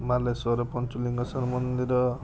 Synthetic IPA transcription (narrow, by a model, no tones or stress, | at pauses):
malasɔɾʌpʌnt͡suliŋɡʌsʌmʌnd̪iɾʌ